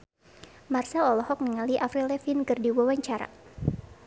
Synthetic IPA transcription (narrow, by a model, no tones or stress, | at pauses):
marsaɔlɔhɔk̚niŋaliʔafɾilɛfinkɨrdiwawaɲt͡ʃaɾa̰